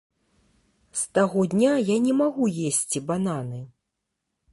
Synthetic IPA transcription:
st̪aɣɔd̪ʲnʲajanʲɛmaɣujesʲt͡sʲibananɨ

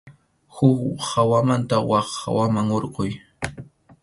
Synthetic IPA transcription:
xʊkhawamant̪awɑχːa̰wamaŋoɾqoj

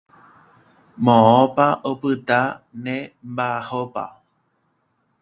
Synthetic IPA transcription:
mõõpaʔopɨt̪anẽmbahopa̰

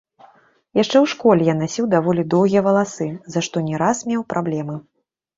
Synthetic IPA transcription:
jaʂt͡ʂɛwʂkɔlʲɛjanasʲiwd̪avɔlʲid̪ɔwɣʲijɐvɐlˠasɨzaʂt̪ɔnʲɛɾasmʲɛwpɾablʲɛmɨ

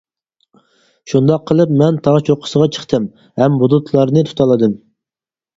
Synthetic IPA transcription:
ʃund̪ɑqʰːəlˠɨpmɛnt̪ʰɑʁt͡ʃʰoqʰʊ̥səʁɑt͡ʃʰə̥χt̪ʰɨm | hɛmbud̪ut̪ʰlˠɑɾnɨt̪ʰu̥t̪ʰɑlˠɨd̪ɨm

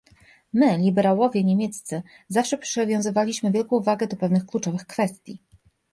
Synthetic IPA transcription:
mɘlʲibɛɾawɔvʲjɛɲemʲjet̪st̪sɘ | zafʂɛpʂɘvʲjɔ̃w̃zɘvalʲiɕmɘvʲjɛlkɔ̃vaɡɛd̪ɔpɛvnɘxklut͡ʂɔvɘxkfɛst̪ʲjḭ

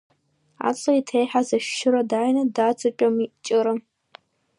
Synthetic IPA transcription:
a̰ːt͡sʼɐitʰeːjħazɐʃʃɪɾɐdaːjnɐdaːt͡sʼɨpʼɐmit͡ʃʼɪɾɐ

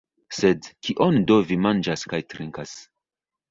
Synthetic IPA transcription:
sedkʰiʔondovimand͡ʒaskajtɾiŋkas

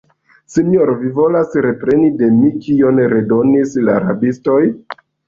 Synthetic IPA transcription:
siɲoɾovivo̞lasɾe̞pɾe̞nide̞mikionɾe̞do̞nislaːɾa̰bisto̞j

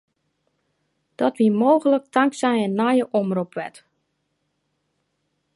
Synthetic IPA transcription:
d̥ɔtʋimoːɣələk̚tʰaŋksɛjɛnːajəʔɔmrupʋɛt

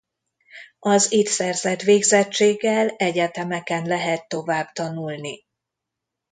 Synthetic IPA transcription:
ɒzit̪sɛrzɛt̪ʋeːɡzɛt͡ʃːeːɡːɛlɛɟɛt̪ɛmɛkɛnlɛɦɛt̪ːo̞vaːbt̪ɒnulni

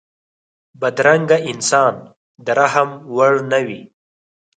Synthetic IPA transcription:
bad̪ɾaŋɡaɪnsɑːn | d̪əɾaɦəmwaɽnawi

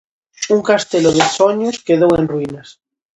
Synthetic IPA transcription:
uŋkast̪eloðesoɲoskeðowenrwinas

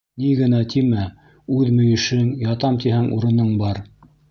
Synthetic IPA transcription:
niɡɘ̆næt̪ʰimæ | ʉðmɵ̆jɘ̆ʃɘŋjɑt̪ɑmt̪iɦæŋʔuɾɤ̆nɤɴbɑɾ

